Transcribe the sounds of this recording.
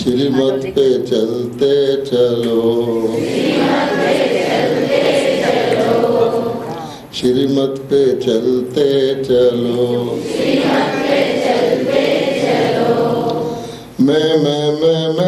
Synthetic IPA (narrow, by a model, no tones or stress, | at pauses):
ʃɪɾimət̪pet͡ʃəlt̪et͡ʃɐəloː | e | elo | ʃɪɾimət̪pet͡ʃəlt̪et͡ʃəlo | t̪ele | o | mɛ̃mɛ̃mɛ̃mɛ̃